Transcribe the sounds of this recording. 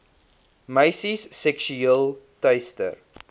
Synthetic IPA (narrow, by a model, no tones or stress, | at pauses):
məjsisːɛkʃyiəlˠtɐjstə̰r